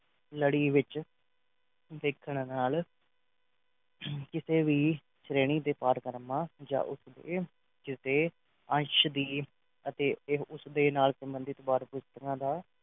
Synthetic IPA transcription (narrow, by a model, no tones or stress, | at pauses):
ləɽiːʋɪt͡ʃ | ʋ̪eːkʰːəɽ̃naːl | kɪseːʋiː | ʃɾeːɽ̃iːd̪eːpaːɾkəɾmãːd͡ʒa̰ːʔʊsd̪ḛː | kɪst̪eː | ə̃ʃd̪iː | ət̪eːʊsd̪eːnaːlsəmbənd̪ɪt̪ːbaːɾpʊst̪əkãːd̪aː